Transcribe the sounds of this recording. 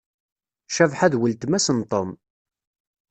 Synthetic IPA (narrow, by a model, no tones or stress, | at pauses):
ʃævħæðwəlt̪mæsənt̪ˤəm